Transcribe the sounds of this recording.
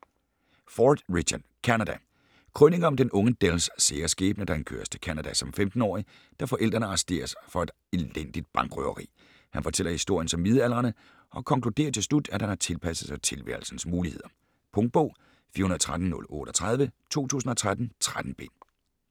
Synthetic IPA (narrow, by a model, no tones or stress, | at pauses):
fɒːd̥ʁiɕʰɐd̥kʰænæd̥æ | kʰʁœne̝ŋɐɒ̽md̥enʔɔ̽ŋəd̥elsːeːɐsɡ̥ḛːb̥nəd̥ɑ̈enkʰø̰ːɐst͡sʰe̝lkʰænæd̥æsɒ̽mfemd̥n̩ɒ̰ːi | d̥ɑ̈fɒ̽ʔel̰d̥ʁɐnəɑ̈sd̥e̝̰ːɐsfɒ̽e̝d̥ | ellen̰d̥id̥̚b̥ɑ̈ŋɡ̥ʁœ̰ːɐʁḭː | hænfɒ̽t͡sʰel̰ɐhisd̥o̝ɐ̰jənsɒ̽mmið̞ˠælʁɐnə | ʔɒ̽kʰɒ̽ŋkʰlud̥e̝̰ːɐt͡sʰe̝slud̥æd̥hænhɑ̈t͡sʰe̝lpʰæsəð̩ˠsɑt͡sʰe̝lʋæ̰ɐl̩sn̩smuːlihe̝ð̞̰ˠɐ | pʰɔ̽ŋ̥̚b̥ɔ̽ʊ̰ | fḭːɐunɐðˠt͡sʰʁad̥n̩ːɔ̽lɔ̰̽ːɾ̥ɒt͡sʰʁað̞ˠʋət͡sʰo̝̰ːt͡sʰṵːsn̩ɒ̽t͡sʰʁad̥n̩t͡sʰʁad̥n̩b̥e̝̰n